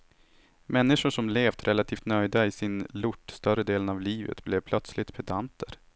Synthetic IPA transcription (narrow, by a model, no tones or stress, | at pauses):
mɛnːɪʂʊʂɔmleːft̪ʰɾʔɛlat̪ʰiːft̪nœjd̪aɪsɪnlʊʈːst̪œɾəd̪eːlənavliːvə̰t̪blɛvpʰlœt̪slɪt̪pʰɛd̪ant̪ʰəɾ